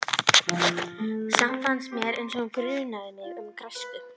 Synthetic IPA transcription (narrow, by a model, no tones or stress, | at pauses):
samfansmjɛɾʏnsɔɣʏŋkʏɾɪðnaðɪnːɪʏmkɾaspɪ